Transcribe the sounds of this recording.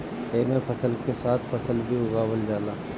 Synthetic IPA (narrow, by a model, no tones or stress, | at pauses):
eːmepʰɐsəlkesaːt̪ʰfɐsəlbʱiɦoɡaːwəld͡ʒaːlaː